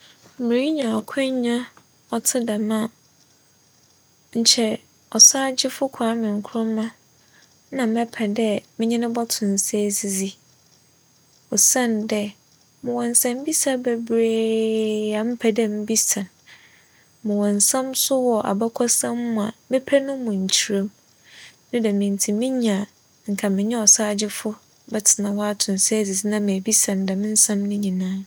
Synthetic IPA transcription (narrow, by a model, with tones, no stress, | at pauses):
m̩˨mɪ̃˨ɾi˦ɲã˨ɔ˨kʷʰɛ̃˦ɲ˦ɲã˦ | ɔ˨tʰɪ˦da˨mã˦˨ | ɲ̩˨t͡ɕʰɛ˨ | ɔ˨saː˦d͡ʑɪ˦fʊ˦kʷʰa˨˦mɪ̃˨ŋ̩˨kʰʊ˦ɾʊ̃˦mã˦ | nã˨mɛ˦pʰɛ˨dɛ˦mɪ̃˦ɲɪ̃˦nɪ̃˦bɔ˦tʰʊ̃˨n˨sɛ˦˨si˨zi˦ | ɔ˨sã˦˨ndɛ˦ | mʊ̃˨wɔ̃˨n˨sã˦m̩˦bi˦sa˨bɛ˨bɾe˦ | a˨m̩˦pʰæ˨dɛ̃˦m˦bi˦sã˨ | mʊ̃˨wɔ̃˨n˨sã˦msʊ˦wɔ˨ʔa̰˨ba˦kʰɔ˦sã˦m˦mːʊ̃˨a˨mɪ̃˦pʰæ˦nʊ̃˦mʊ̃˨ɲ̩˨t͡ɕʰi˨ɾẽ˦m | nʊ̃˦dɛ˨mɪ̃˨ntʰi˨mɪ̃˦ɲã˨ | ŋ̩˨kʰa˨mɪ̃˨ɲɛ̃˦ɔ˨saː˦d͡ʑɪ˦fʊ˦ | bɛ˨tʰɪ˨nã˨wɔ˦a˦tʰʊ̃˨n˨sɛ˦zi˨zi˦nã˦mɪ̃˨bi˦sã˨n˨dɛ˨mɪ̃˦n̩˦sã˦mnɪ̃˦ɲĩ˨nãː˦